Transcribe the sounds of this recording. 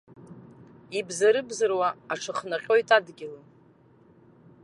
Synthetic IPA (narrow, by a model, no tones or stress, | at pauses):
ibzaɾɨbzɨrwaaʈ͡ʂʰɨχnaqʲʼo̞jtʼadɡʲɪlɨ